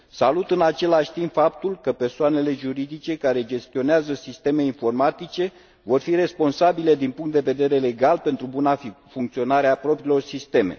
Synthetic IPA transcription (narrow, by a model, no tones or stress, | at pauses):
salut̪ɨnat͡ʃe̞laʃʲt̪impfap̚t̪ulkəpe̞rsoane̞le̞ʒuɾid̪it͡ʃe̞kaɾe̞d͡ʒe̞st̪io̞neazəsist̪e̞me̞info̞rmat̪it͡ʃe̞ | vo̞rfiɾe̞spo̞nsabile̞d̪inpuŋkt̪d̪e̞ve̞d̪e̞ɾe̞le̞ɡalpe̞nt̪ɾubunafuŋkt̪sio̞naɾeapɾo̞pɾiːlo̞rsist̪e̞me̞̰